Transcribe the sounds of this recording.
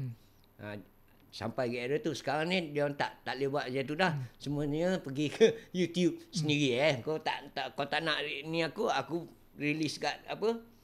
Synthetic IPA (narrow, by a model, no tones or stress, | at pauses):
a̰ | sa̰mpajɡaʔɾət̪usə̥kaɾaŋnidiant̪aʔt̪aʔlebaʔd͡ʒat̪̬udahsəmuəɲəpəɡikʰəjut̪ijup̚səniɾiakot̪a̰ʔt̪aʔkot̪aʔnaʔiniakuaku | rilisɡaʔapə